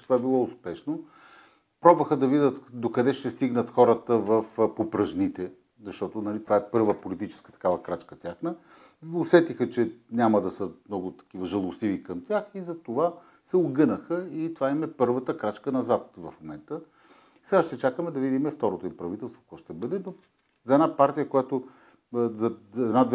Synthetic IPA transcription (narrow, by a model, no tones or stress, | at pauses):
ɛt̪ovaɛbilˠɔʊspɛʃno | pɾɔbvəxəd̪ɐvid̪ət̪d̪okɐd̪ɛʃt̪ɛst̪iɡnət̪xɔɾət̪əvəfpopɾɐʒnit̪ɛ | zɐʃt̪ɔt̪onɐlit̪ovaɛpɤɾvəpolit̪it͡ʃɛ̥skə̥t̪ɐ̥kavəkɾat͡ʃkət̪ʲjaxnə | osɛt̪ixət͡ʃɛnʲaməd̪ɐsəmnɔɡʊt̪ɐ̥kivəʒɐlˠʊst̪ivikəmt̪ʲjaxizɐt̪ova | sɛoɡɤnəxəit̪ovaimɛpɤɾvət̪əkɾat͡ʃkənɐzat̪̚vɐfmomɛnt̪ə | sɛɡaʃt̪ɛt͡ʃakəmɛd̪ɐvid̪imɛft̪ɔɾot̪oʊimpɾɐvit̪ɛlˠst̪vo̥kɔʃt̪ɛbɤd̪ɛno | zɐɛd̪apaɾt̪ijəkojat̪ʊ | zɐɛd̪nad̪